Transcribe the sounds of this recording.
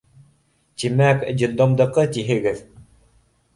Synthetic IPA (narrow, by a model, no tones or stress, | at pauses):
t̪ʲimækd͡ʑĭd̪omd̪ɤ̆qɤt̪iɦɘ̆ɡɘð